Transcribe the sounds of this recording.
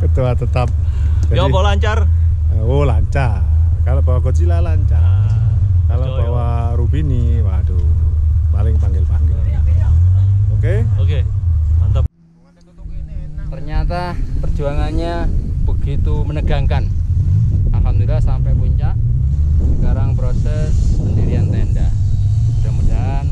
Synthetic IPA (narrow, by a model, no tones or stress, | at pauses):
kət̪uat̪ət̪ap̚ | d͡ʒadibɔlaɲt͡ʃar | olaɲt͡ʃakaloʔbawakot͡ʃilalaɲt͡ʃa | kalobawa | ɾubiniwado | palɪŋpaŋɡɪlpaŋɡɪl | okeoke | t̪ | t̪ərɲat̪apərd͡ʒuaŋanɲab̥əɡ̥it̪umənəɡaŋkan | alɦamd̪ulasampɛjpuɲt͡ʃaʔsəkaɾaŋpɾosɛspəndiɾiant̪ɛnda̰ | kamuda | n